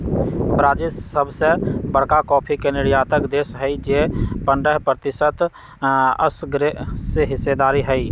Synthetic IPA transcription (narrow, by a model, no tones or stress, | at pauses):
bɾaːd͡ʒɪsəbʱsebəɽkakɔːpʰikenɪɽjaːt̪əkd̪eːsɦəid͡ʒepəɳɖəɦpɾət̪ɪsət̪ | ə̰sɡɾeseɦɪsed̪aːɾiɦəi